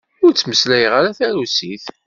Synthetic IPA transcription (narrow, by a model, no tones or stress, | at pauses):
ʊɾt͡sːməslæjəʁaɾaθæɾusiθ